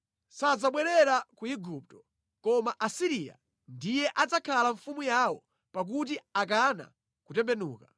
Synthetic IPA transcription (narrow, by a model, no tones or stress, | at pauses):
sad͡zaɓwɛɾɛɾakuiɡup̚tɔ̥ | kɔmaʔasiɾija̰ | ndijɛʔad͡zakʰalaɱfumujawɔ | pak̬ut̬iak̬ana̰ | kutɛmbɛnṵːka